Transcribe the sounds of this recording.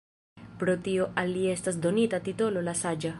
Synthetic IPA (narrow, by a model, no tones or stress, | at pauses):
pɾo̞tio̞ʔalːie̞stas̬do̞nitatito̞lo̞lasad͡ʒa